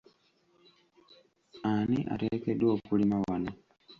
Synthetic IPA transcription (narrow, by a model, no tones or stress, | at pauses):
aniʔa̰ɾekedwoːkulimawano